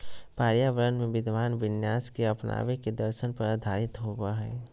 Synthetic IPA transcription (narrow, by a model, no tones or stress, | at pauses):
paːɾjaʋəɾənmẽʋɪd̪ʱʋaːnʋɪnjaːskeɐpna̰ːʋeked̪əɾʃənpɐɾad̪ʱaːɾɪt̪ɦowaɦɛː